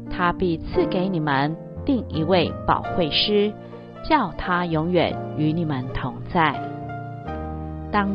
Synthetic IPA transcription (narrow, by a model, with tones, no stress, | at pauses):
t̪ʰa˥pi˥˧t͡sʰɹ̩˥˩ke˧˥ɪni˨˩mə˦n | li˥˩ŋi˧˥we˥˩ɪpɑ̰˨˩ʊxwe˥˩ɪʂɻ̩˥ | t͡ɕjɑ˥˩ʊt̪ʰa˥jʊ˧˥ŋɥɛ̰˨˩˦ny˧˥ni˨˩mə˧˦nt̪ʰʊ˧˥ŋt͡sa˥˩ɪ | t̪ɑ˥ŋ